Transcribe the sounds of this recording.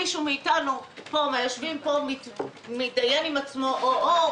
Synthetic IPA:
iʃumiːtanupomajoʃvimpo̞mit | midaje̞nimat͡smoʔoʔo

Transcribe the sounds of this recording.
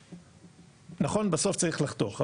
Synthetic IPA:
naχo̞nbaso̞ft͡saʁiχlaχt̪oχa

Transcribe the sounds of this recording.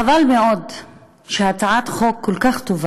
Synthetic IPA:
avalmeʔod̪ | ʃehat͡saʕat̪χokːolkaχt̪ov

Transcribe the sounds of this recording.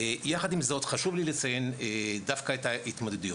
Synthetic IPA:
ejaχad̪imzo̞t̪χaʃuvlilet͡sajened̪afkaetait̪mod̪ed̪uju

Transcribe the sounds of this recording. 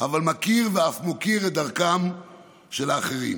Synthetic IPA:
avalmakiʁveafmokiʁed̪aʁkam | ʃelaːχeʁḭm

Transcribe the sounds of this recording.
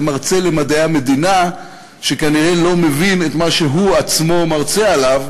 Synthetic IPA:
maʁt͡se̞le̞madaame̞d̪ina | ʃe̞kaniʁe̞lo̞me̞vinet̪maʃe̞ɦuat͡smo̞maʁt͡sealav

